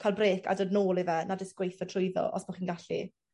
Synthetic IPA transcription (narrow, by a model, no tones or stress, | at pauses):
kʰalˠbreːkʰa̰dodnoːlˠivɛnadɪsɡ̥wejθɔtʰrʊjðɔ̰ʔɔ̰smaχiːnɡaɬḭ